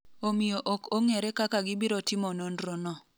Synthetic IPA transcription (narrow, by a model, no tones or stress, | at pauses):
omijoʔɔkoŋeɾɛkakaɡɪbiɾɔtɪmɔnondɾonɔ